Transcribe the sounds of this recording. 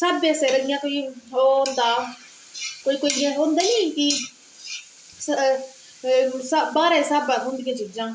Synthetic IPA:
sabːɛːseːɾəɪjãːkoːiːoːnd̪aː | koːiːkoːjãːɦõːnd̪aːiki | s | sabaːɾaːɪsaːbãːd̪ɦʊ̃nd̪ijãːt͡ʃid͡ʒãː

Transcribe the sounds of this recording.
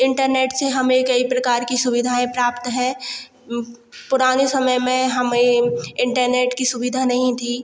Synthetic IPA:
ɪ̃ɳʈəɾneːʈseɦɐmekɐipɾɐkaːɾkisʊbɪd̪ʱaẽpɾaːpt̪ɦɛ̃ː | pʊɾaːnesɐməjmẽɦɐmeɪ̃ɳʈəɾneːʈkisʊbɪd̪ʱanɐɦĩt̪ʰiː

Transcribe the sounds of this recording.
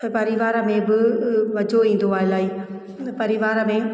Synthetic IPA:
ɐpɐɾɪʋaːɾə̆mẽbɪʋɐd͡ʑʱoĩːn̆d̪oaːɦɪlaːɦiː | pɐɾɪʋaːɾə̆mẽ

